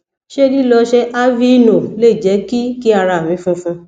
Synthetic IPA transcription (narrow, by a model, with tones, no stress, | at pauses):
ʃe˦li˦lɔ˧ʃɛ˦ʔa˦vi˦nõ˨le˦i˨d͡ʒɛ˨˦ki˦ki˦a˧ɾa˧˨mĩ˨˧˦fũ˦fũ˦